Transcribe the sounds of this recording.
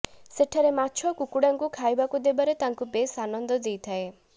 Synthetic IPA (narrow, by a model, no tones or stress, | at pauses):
seʈʰaɾemaːt͡ʃʰɔkukuɽaŋkukʰajbakud̪ebaɾet̪aŋkupesanɔnd̪ɔd̪ejt̪ʰae